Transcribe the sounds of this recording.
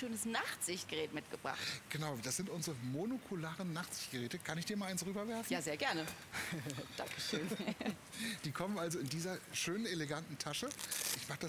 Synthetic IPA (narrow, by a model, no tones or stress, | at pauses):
øːnəsnaχtz̥ɪçtɡ̥əʁɛːtmɪtɡ̥əb̥ʁa̰χtɡ̥ənaʊd̥asz̥ɪntʔʊnzʁəmonukʰulaːʁənːaχtz̥ɪçtɡ̥əʁɛːtəkʰanɪçd̥iːɐmaːlʔaɪnsʁyːbɐvɛɐfnjaːzeːɐɡɛɐnə | d̥a̰ŋkəʃøːn | d̥iːkʰɔmənʔalzoɪndiːzɐʃøːnəneleɡantn̩tʰaʃəʔɪçmaːχd̥a